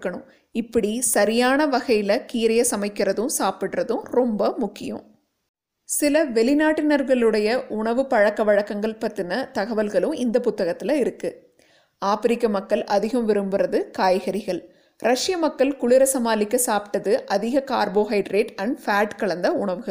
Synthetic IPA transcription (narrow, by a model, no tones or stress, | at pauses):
kːɐɳɯm | ɪpːɐɽisɐɾɪjaːnɐʋɐɣɐjɪlɐkiːɾɐjɐsɐmɐɪkːɪrɐðɯmsaːpɪʈrɐðɯmɾɔmbɐmʊkːɪjɯ̰̃m | sɪlɐʋɛlɪnaːʈːɪnɐɾɣɐɭɯɽɐjɐʔʊɳɐʋɯpɐɻɐkːɐʋɐɻɐkːɐŋɡɐɭpɐt̪ːɪnɐt̪ɐɣɐʋɐlɣɐɭɯmɪnd̪ɐpʊt̪ːɐɣɐt̪ːɪlɐɪɾɯkːɯ | aːfɪɾɪkːɐmɐkːɐlʔɐðɪɣɐmʋɪɾɯmbɯrɐðɯkaːjɣɐɾɪɣɐɭ | ɾɐʂɪjɐmɐkːɐlkʊɭɪɾɐsɐmaːlɪkːɯsaːpɪt̪ːɐðɯʔɐðɪɣɐkaːɾboːɦɐɪʈɾeːʈɐɳɖfaːʈkɐɭɐnd̪ɐʊɳɐʋɯɣɐɭ